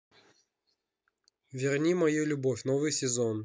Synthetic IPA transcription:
vʲɪrnʲimɐjulʲʊbofʲnovɨjsʲɪzon

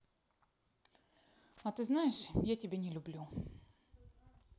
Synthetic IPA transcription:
at̪ɨznajɪʂjatʲɪbʲenʲɪlʲʊblʲu

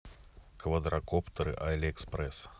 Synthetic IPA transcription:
kvɐd̪ɾɐkɔpt̪ɐɾɨ̰ʔaɛlʲɛkspɾɛs

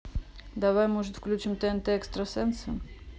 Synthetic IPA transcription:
d̪ɐvajmoʐɨt̪fklʲʉt͡ɕimt̪ɛɛnt̪ɛɛkst̪ɾəsɛnsɨ

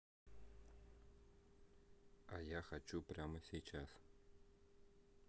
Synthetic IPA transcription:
ɑjaχat͡ɕːuprʲamə̆sʲejt͡ɕas

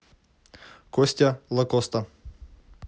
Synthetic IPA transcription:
kosʲtʲɐlˠɐkost̪ɐ

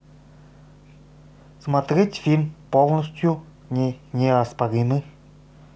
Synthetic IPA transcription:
smat̪ɾʲetʲfʲilʲmpolˠnəsʲt̪ʲju | nʲɛnʲɛɐspaɾʲinɨ

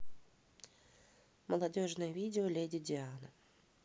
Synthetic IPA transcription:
məlˠɐdʲoʐnəjəvʲidʲɪolʲedʲɪdʲɪanə

